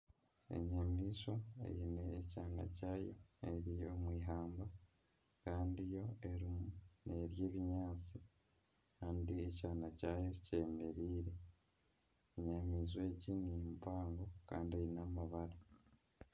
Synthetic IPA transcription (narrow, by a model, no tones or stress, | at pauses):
e̞̰ɲamiːʃoḛjineːcaːna̰caːjo̞̰eɾijo̞mwiːɦaːmba | kaːndijo̞e̞ɾimune̞ɾjeːβiɲaːt͡si | kaːndiecaːnacaːjoce̞ːmeɾiːɾe̞ | eɲamiːzwe̞ːcinimupaːŋɡoka̰ːndiejinamaβaɾa